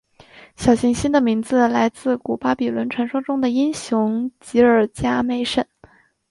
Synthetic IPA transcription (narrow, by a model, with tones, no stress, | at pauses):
ɕjɑ˨˩ʊɕi˧˥ŋɕi˥nd̪ə˨mi˧˥ŋd͡zɹ̩˧la˧˥ɪt͡sɹ̩˥˩ku˨˩pa˥pi˨˩lwə˧˥nʈ͡ʂʰwa˧˥nʂwɑ˥ŋʈ͡ʂʊ˥ŋd̪ə˨i˥ŋɕjʊ˧˥ŋt͡ɕi˧˥ə˞˨˩t͡ɕja˥me˧˥ɪʂə˥˩˦n